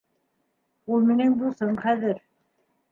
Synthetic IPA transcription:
ulˠminɘŋbusɤɴχæðɘɾ

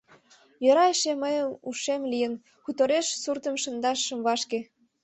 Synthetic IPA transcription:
jøɾɑeʃeməjəmuʃemlijən | kut̪oɾeʃsurt̪əmʃə̆nd̪ɑʃːə̆mβɑʃke

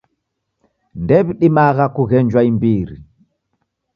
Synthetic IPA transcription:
ndɛβiɗimaɣakuɣɛnd͡ʒwaimbiɾi

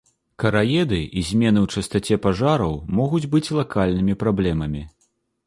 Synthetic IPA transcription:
kɐɾajɛd̪ɨʔizʲmʲɛn̪ɨwt͡ʂɐst̪at͡sʲɛpaʐaɾɐwmɔɣud͡zʲbɨt͡sʲlˠakalʲnɨmʲipɾablʲɛmɐmʲi

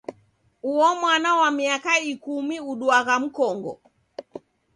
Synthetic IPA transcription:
uɔmwanawamiakaikumiuɗuaɣam̩kɔŋɡɔ̰

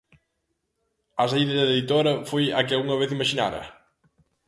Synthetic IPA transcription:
ɐs̬aiðɐzðɐðeðit̪oɾɐfojɐkɪalɣuŋɐβ̞eθimaʃina̰ɾɐ̰

